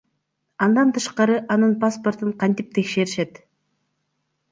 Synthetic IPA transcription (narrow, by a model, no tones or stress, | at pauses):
ɑnd̪ɑnt̪ʰɯʃqɑɾɯʔɑnɯnpaspo̞rt̪ɯɴqʰɑnt̪ip̚t̪ʰe̞kʃe̞ɾiʃe̞t̪